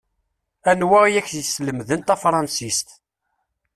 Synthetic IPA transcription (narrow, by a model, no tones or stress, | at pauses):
ænwæʁjæçəsləmðənt̪æfɾˤɑnsist̪